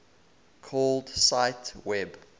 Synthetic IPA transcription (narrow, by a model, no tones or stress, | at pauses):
kʰɔldsaɪtwɛb